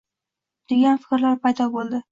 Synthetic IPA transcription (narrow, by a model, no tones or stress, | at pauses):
d̪̥e̞ɡʲanfɪ̥kʲɾlaɾpʰajd̪ɒbolˠd̪ɪ